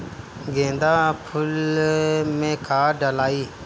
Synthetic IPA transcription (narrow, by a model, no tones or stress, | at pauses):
ɡẽːnd̪aːpʰʊl | mẽːkaːɖəlaːiː